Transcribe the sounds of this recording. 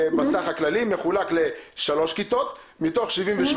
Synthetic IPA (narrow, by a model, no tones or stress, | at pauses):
masaχhaklalimeχulakle̞ʃalo̞ʃkit̪o̞t̪ | mit̪o̞χʃivimveʃ